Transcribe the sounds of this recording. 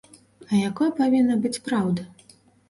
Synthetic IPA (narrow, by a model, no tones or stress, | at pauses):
ɐjakɔjɐpavʲinːɐbɨt͡sʲpɾawd̪ɐ